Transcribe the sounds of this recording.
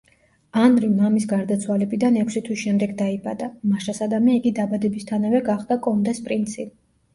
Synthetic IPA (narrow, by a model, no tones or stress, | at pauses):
anɾimamisɡaɾd̪at̪sʰwalɛbid̪anɛkʷʰsit̪ʰwiʃɛmd̪ɛɡd̪aiba̰d̪amaʃasad̪amiaiɡid̪abad̪ɛbist̪ʰanavɛɡaχd̪akʼɔnd̪ɛspʼɾint̪sʰipʼ